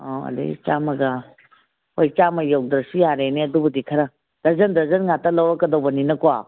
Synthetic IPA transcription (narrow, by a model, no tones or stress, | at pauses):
ɔɐ̰dḭt͡ʃamɐɡɐ | ojt͡ʃamɐjawdɐɾsijaɾeniɐdubɐdikʰɐɾɐ | d̥ɐzɐndɐzɐnŋatɐlɐwɐkɐdowbɐninɐkwa